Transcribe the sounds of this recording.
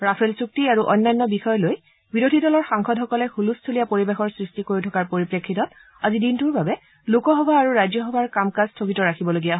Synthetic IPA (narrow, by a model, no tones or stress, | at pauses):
ɹapʰelsuk̚tiaɹuʔɔ̰nːanːɔbixɔjloj | biɹodʱidɔlɔɹxaŋxɔdɦɔkɔlɛxulustʰolijapoɹibexɔɹsɹistikoɹitʰɔkaɹpoɹipɹekʰːitɔt̚ | azidintuɹbabɛ | lukɔɦɔbʱaːɹuɹajzɔɦɔbʱaɹkamkastʰokitɔɹakʰibɔloɡijaɦɔ